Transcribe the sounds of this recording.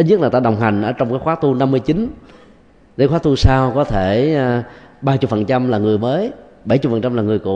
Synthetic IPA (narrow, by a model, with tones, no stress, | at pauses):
ɲə˦˥k̚laː˨˩t̪aː˧ɗə˨˩wŋ͡mɦa˨˩ŋ̟ʔə̰ː˧˩t͡ɕɔ˧wŋ͡mkaː˨˦jxwaː˨˦˥t̪u˧na˧mːɨ˧əjt͡ɕi˨˦n | e˨˦jxwaː˦˥t̪u˧saː˧wkɔ˨˦t̪ʰe˧˩˧ | ɓaː˧t͡ɕʊ˨˩fə˨˩nt͡ɕa˧mlaː˨˩ŋɨ˨˩əjməː˨˦j | ɓə˧˩jt͡ɕʊ˨˩fə˨˩nt͡ɕa˧mlaː˨˩ŋɨ˨˩əjkṵ˧˩˨